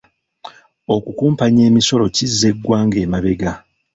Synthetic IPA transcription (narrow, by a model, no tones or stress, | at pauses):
o̞kukuːmpaɲe̞ːmiso̞lo̞cizːe̞ɡːwaːŋɡe̞ːmaβe̞ɡa